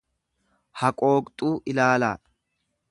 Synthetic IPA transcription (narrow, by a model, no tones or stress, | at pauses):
hɐkʼo̞ːkʼt̪ʼuːʔɪlaːlaː